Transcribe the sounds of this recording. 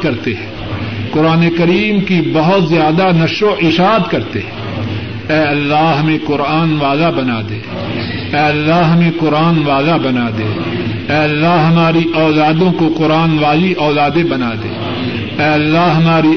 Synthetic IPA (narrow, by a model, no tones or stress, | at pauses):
kɐɾt̪eɦɛ̃ | kʊɾaːnekɐɾiːmkibɐɦʊt̪zjaːd̪anɐʃɾoʔɪʃaːt̪kɐɾt̪ḛɦɛ | ɛːɐlːaɦɦɐmẽqʊɾaːnʋaːlabɐnad̪eː | ɛːɐlːaɦɐmẽkʊɾaːnʋaːlabɐnad̪ḛ̃ː | ɛːɐlːaɦɐmaːɾiʔɔːlaːd̪õkoqʊɾaːnʋaːliʔɔːlaːd̪ebɐnaːd̪ḛː | ɛːɐlːaɦɐmaːɾi